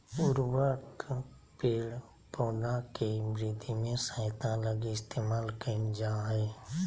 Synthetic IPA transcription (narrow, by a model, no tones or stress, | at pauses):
ʊɾwək | peːl | poːnakemɾɪd̪ʱimẽsə̃t̪ãləɡeɪst̪eːmaːlkəd͡ʒaːɦɛː